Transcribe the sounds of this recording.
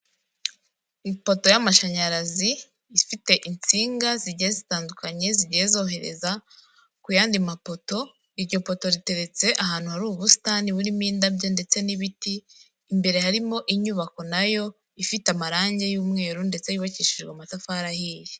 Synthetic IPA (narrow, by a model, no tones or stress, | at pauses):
ipo̞to̞jamaʃaɲaɾaziː | fite̞ʔint͡siːŋɡaziɟijezitaːndukaɲe̞ziɟijezo̞ːɦe̞ɾe̞̰za | kujaːndimapo̞to̞ | iɾɟo̞po̞to̞ɾite̞ɾe̞t͡se̞ʔaɦaːn̥huhaɾuːβusi̥taːniβuɾimiːndabɟonde̞t͡se̞niβitiː | mbe̞ɾe̞haɾimo̞ʔiɲuβako̞najo̞ | ifitamaɾaːɲɟe̞juːmŋe̞ːɾunde̞t͡se̞juβaciːʃiʒɡamatafaɾahiːɾi